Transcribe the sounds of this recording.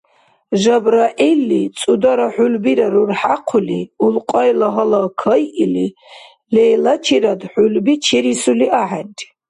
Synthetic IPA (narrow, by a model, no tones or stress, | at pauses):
ʒabɾaʔilːit͡sʼud̪aɾaħulbiɾaɾurħaqʰuliulqʼɔjlaɦɐlakʰəjʔili | lɛjlat͡ʃʰiɾad̪ħulbit͡ʃʰɛɾisuliʔaħandʰʼ